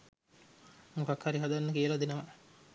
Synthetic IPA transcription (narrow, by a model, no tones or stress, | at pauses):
mukakhaɾiɦad̪anːəkiəlad̪inəʋa